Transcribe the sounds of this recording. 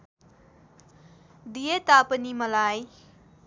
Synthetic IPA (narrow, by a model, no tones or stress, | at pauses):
d̪ijet̪apənimɐlaj